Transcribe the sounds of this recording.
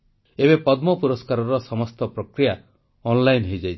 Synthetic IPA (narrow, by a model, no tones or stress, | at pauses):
ebepɔd̪mɔpuɾɔskaɾɔɾɔsɔmɔst̪ɔpɾɔkɾija | ɔnlajnɦejd͡ʒajt͡ʃʰ